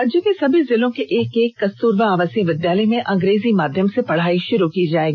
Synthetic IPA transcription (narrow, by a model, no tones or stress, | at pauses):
ɐd͡ʒɐkesɐbʱizɪlõkeʔeːkeːkːɐst̪uːɾʋaaːʋəsjəʋɪd̪jaːləjmẽʔɐ̃ŋɡɾeːzimaːd̪ʱjəmsepɐɽ̤aːiʃʊɾukid͡ʒaːeːɡiː